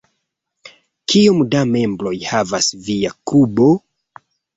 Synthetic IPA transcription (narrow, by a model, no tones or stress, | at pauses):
kʰiomdame̞mbɾo̞jhavasviakubo